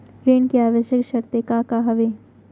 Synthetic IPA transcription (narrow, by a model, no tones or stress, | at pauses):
ɾeːnkeaːʋəʃjəkʃɐɾt̪ekakaɦɐʋe